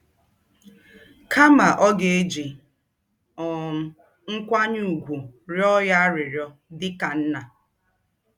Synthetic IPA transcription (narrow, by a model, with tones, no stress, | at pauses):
kʰa˦ma˨ʔɔ˦ɡe˦d͡ʒi˨ | ɔ˨m̩˦ | ŋ̩˦kʷa˦ɲu˨ɡʷu˨ɾɔ˦ja˦ɾɪ˨ɾjɔ˦dɪ˦ka˨n̩˦na˨